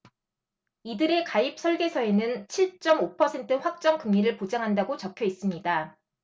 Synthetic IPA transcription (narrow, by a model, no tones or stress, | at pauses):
idɯɾe̞kaip̚s͈ʰʌɭɡe̞sʰʌe̞nɯnt͡ɕʰiɭt͡ɕ͈ʌmopʰʌsʰe̞ntʰɯɸwak̚t͡ɕ͈ʌŋkɯŋɲiɾɯɭpod͡ʑaŋɦandaɡot͡ɕʌkʰjʌis͈ɯmɲida